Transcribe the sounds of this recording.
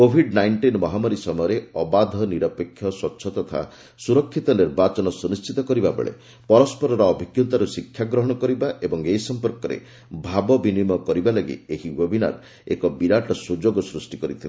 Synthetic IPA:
kobʱiɖnajɳʈinmɔɦamɔɾisɔmɔjɔɾeɔbad̪ʱɔniɾɔpekʰːjɔswɔtːʃʰɔt̪ɔt̪ʰa̰ | suɾɔkʰːit̪ɔniɾbat͡ʃɔnɔsunist͡ʃit̪ɔkɔɾibabḛɭḛ | pɔɾɔspɔɾɔɾɔːbʱikjunt̪aɾusikʰːjaɡɾɔɦɔɽ̃ɔkɔɾibaʔebɔŋeisɔmpɔɾkɔɾḛ | bʱabɔbinimɔkɔɾibalɔɡḭeɦibebʱina̰ɾ | ekɔbiɾaʈɔsud͡ʒoɡɔsɾusʈikɔɾit̪ʰile

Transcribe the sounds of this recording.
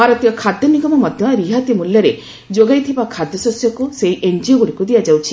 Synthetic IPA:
baɾɔt̪ijɔkʰad̪ʱjɔniɡɔmɔmɔd̪ʱjɔɾiɦat̪imuljɔɾe | d͡ʒoɡajt̪ʰibakʰad̪jɔsɔsjɔkusejiʔend͡ʒioɡuɽikud̪ijad͡ʒawt͡ʃʰi

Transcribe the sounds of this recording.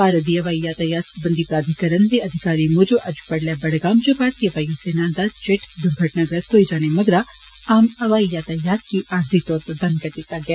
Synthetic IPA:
paːɾɐd̪iɐʋaːijaːt̪ajaːt̪sbɐnd̪ipɾaːd̪ʱɪkɐɾənd̪eɐd̪ʱɪkaːɾimʊd͡ʒoʔɐd͡ʒu̥pɐɽlɛbɐɽɡaːmd͡ʒopaːɽt̪iɐʋaːjuseːnãːd̪at͡ʃɪʈd̪ʱʊmɡʱɐʈnaɡɾɐst̪oːid͡ʒaːnemɐɡɾa | aːmɐʋaːijaːt̪ajaːt̪̚kiʔaːɾzit̪ɔːɾpɐɾbɐ̃nd̪̚kɐɾd̪ɪt̪aɡja

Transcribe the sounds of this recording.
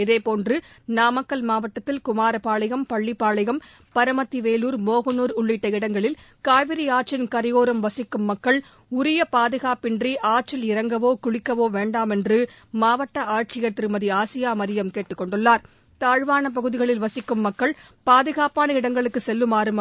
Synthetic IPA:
ɪðeːpoːndrɯ | naːmɐkːɐlmaːʋɐʈːɐt̪ːɪlkʊmaːɾɐpaːɭɐɣɐmpɐɭːipːaːɭɐɣɐm | pɐɾɐmɐt̪ːiʋeːluːɾmoːɣɐnuːɾʊɭːɪʈːɐɪɽɐŋɡɐɭɪlkaːʋɪɾiaːʈ̚t͡ʃɪnkɐɾɪjoːɾɐmʋɐsɪkːɯmːɐkːɐɭ | ʊɾɪjɐpaːðɯɣaːpɪndriʔaːʈ̚t͡ʃɪlɪɾɐŋɡɐʋoːkʊɻɪkːɐʋoːʋeːɳɖaːmɛndrɯː | aːʋɐʈːɐaːʈ̚t͡ʃɪjɐt̪rɯmɐðiaːsɪjaːmɐɾɪjɐmkeːʈːɯkːɔɳɖɯɭːaːɾ | t̪aːɻʋaːnɐp̬ɐɣɯðɪɣɐɭɪlʋɐsɪkːɯmːɐkːɐɭ | paːðɯɣaːpaːnɐɪɽɐŋɡɐɭɯkːɯsɛlːɯmaːɾɯmɐ

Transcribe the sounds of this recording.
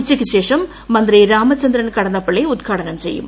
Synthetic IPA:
t͡ʃːɐkːɯʃeːʂɐmː | ɐnd̪ɪɾɐɪɾaːmɐt͡ʃːɐnd̪ɪɾɐnkɐɽɐnd̪ɐpːɐɭːɐɪʊt̪ɣaːɽɐnɐmsɛjːɯ̰m

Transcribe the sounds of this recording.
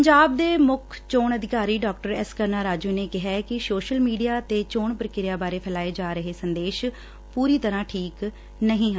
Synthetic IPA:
əɲd͡ʒaːb̚d̪eːmʊkʰt͡ʃoːɳəd̪ɪkaːɾiːɖaːk̚ʈəɾɛskəɾnaːɾaːd͡ʒuːneːkɪɦɛkɪsoːʃəlmiːɖijaːt̪eːt͡ʃoːɳpəɾkɪɾɪjaːbaːɾeːpʰɛlaːeːd͡ʒaːɾəɦeːsənd̪eːʃ | puːɾiːt̪əɾãːʈʰiːk | nəɦĩːɦə̃

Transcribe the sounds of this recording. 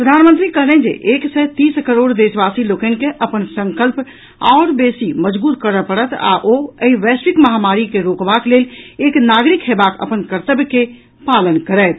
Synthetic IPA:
ppɾəd̪ʱanmənt̪ɾikəɦlɛɛ̃d͡ʒḛʔeksɛt̪iːskəɾoɽd̪esbasilokənkeʔəpənsə̃ŋkəlp | ɔːɾbesiməd͡ʒbuːt̪kəɾəpəɽət̪ʰa̰ʔoəiʋɛsɪkməɦamaɾikeɾokbakleleknaɡɾikɦebakə̰pənkəɾt̪əbke | palənkəɾəːt̪ʰ

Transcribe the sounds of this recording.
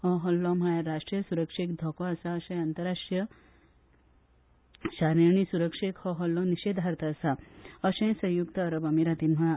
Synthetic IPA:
ɦɔɦɔlːɔm̤ajaɾaʂʈɾijɐsuɾəkʂikd̪ʱɔkoasaɐʃɐ̃j̃ɐnt̪ɐɾaʂʈɾjɐ | ʃaɾiɳ̃isuɾəkʂekhɔɦɔlːɔniʃeːd̪ʱaɾt̪aːsaɐʃɐ̃jsɐ̃jukt̪ɐːɾɐbɐmiɾat̪inm̤aa

